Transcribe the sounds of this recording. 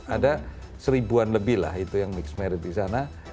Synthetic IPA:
ada | səɾibuanləbɪhla̰ɦit̪ujaŋmɪksmɛɾɪt̪̚disana

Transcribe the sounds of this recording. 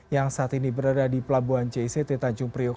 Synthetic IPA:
jaŋsaːt̪inibəɾadadipəlabuant͡ʃeiset̪et̪aɲd͡ʒʊŋpɾiok

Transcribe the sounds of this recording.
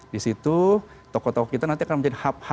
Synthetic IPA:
disit̪u | t̪ɔkɔt̪ɔkɔkit̪anant̪iakanməɲd͡ʒadihap̚ha

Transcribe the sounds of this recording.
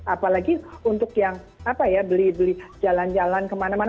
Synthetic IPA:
apalaɡiunt̪ʊkjaŋ | apajabəlibəlid͡ʒaland͡ʒalankəmanaman

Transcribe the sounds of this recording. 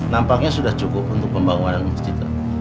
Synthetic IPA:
nampak̚ɲasudaht͡ʃukʊp̚unt̪ʊk̚pəmbaŋuŋananmuskit̪a̰

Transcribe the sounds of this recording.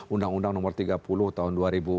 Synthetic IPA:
undaŋundaŋnɔmɔrt̪iɡapulʊht̪aɦʊnduaɾibu

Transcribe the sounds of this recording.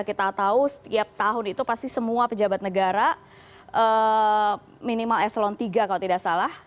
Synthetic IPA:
kit̪at̪ausə̥t̪iap̚t̪aɦʊnit̪upast̪isəmuapəd͡ʒabat̪̚nəɡaɾa | ʔə | minimalɛslɔnt̪iɡakalot̪idaʔsalah

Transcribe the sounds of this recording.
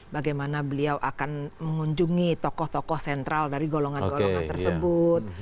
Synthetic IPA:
baɡajmanabəliawʔakanməŋuɲd͡ʒuŋit̪ɔkɔht̪ɔkɔhsɛnt̪ɾaldaɾiɡolɔŋanɡolɔŋa̰nt̪ərsəbʊt̪̚

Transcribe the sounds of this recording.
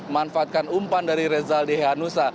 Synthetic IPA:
manfaːt̪̚kanumpandaɾiɾɛzaldeɦanusa

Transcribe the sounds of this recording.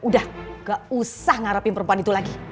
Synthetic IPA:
udahɡaʔusahŋaɾapɪnpəɾəmpuanit̪ulaɡi

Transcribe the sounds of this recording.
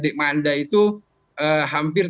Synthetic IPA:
deʔmandait̪u | ʔəɦampɪr

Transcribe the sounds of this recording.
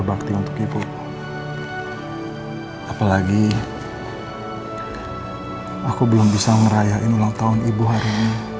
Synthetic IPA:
bak̚t̪iunt̪ʊkipʊ | apalaɡi | akubəlʊmbisaŋəɾajaɪnulaŋt̪aʊnibuɦaɾiɲi

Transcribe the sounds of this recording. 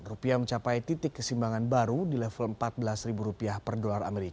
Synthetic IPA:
rupiaməɲt͡ʃapajt̪it̪ɪkːəsimbaŋanbaɾudilɛfələmpat̪̚bəlasribuɾupiahpərdolara̰meɾika

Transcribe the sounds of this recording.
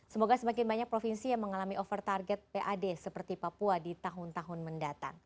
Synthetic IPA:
səmoɡasəmak̬ɪnbaɲak̚pɾofinsijaŋməŋalamiʔofərt̪arɡɛt̪̚peʔadesəpərt̪ipapuadit̪aɦʊnt̪aɦʊnməndat̪a̰ŋ

